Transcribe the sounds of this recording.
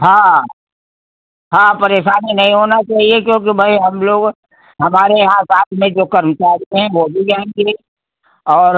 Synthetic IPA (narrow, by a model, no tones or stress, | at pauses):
ɦã | ɦãːpɐɾeːʃaːninɐɦĩɦoːnat͡ʃaːɦiekjõːk̬ibʱɐiɦɐmloːɡ | ɦɐmaːɾeɦãːsaːt̪ʰmẽd͡ʒoːkɐɾmət͡ʃaːɾiɦɛ̃ʋoːbʱid͡ʒaːẽɡe | ɔːɾ